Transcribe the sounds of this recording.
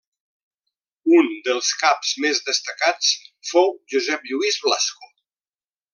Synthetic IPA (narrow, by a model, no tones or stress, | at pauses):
und̪əlˠskapzmezðəst̪əkat͡sfowʒuzɛpʎuizβlasku